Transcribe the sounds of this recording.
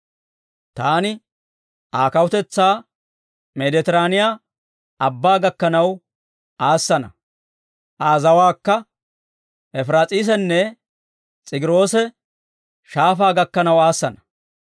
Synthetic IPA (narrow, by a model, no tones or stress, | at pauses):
t̪aːnɪ | ʔaːkɐwʊt̪ɛt͡sːaː | mɛd̪ɛt̪ɪɾaːnɪjaː | ɐbːaːɡɐkːɐnɐw | aːsːɐnɐ̰ | ʔaːzɐwaːkːɐ | ʔɛfɾaːt͡sʼiːs̬ɛnːɛ | t͡sʼɪɡɪɾo̞ːsɛ | ʃaːfaːɡɐkːɐnɐwaːsːɐnɐ